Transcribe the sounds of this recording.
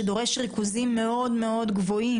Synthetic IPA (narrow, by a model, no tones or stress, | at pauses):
ed̪o̞ʁe̞ʃʁikuzimːe̞o̞d̪me̞o̞d̪ɡvo̞i